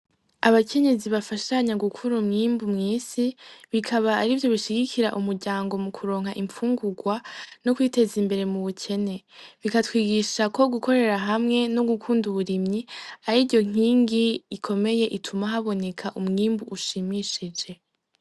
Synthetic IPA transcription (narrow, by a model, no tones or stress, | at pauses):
aβakʰe̞ɲe̞ziβafaʃaɲaɡukʰuɾumŋiːmbumŋiːsiβikʰaβaːɾivjo̞βiʃiɡikʰiɾaʔumuɾɟaːŋɡo̞mukʰuɾo̞ːŋhɦaʔiɱfuːŋɡuɡwano̞kwiːte̞zimbe̞ɾe̞muβucʰe̞ne̞βikatwiːɡiʃako̞ɡukʰo̞ɾe̞ɾaɦamŋe̞noɡukʰuːnduβuɾimɲiaɾiɟo̞ŋ̥iːŋɡiːkʰo̞me̞je̞ʔitʰumaɦaβo̞ne̞kʰaʔumŋiːmbuʔːʃimiʃid͡ʒe̞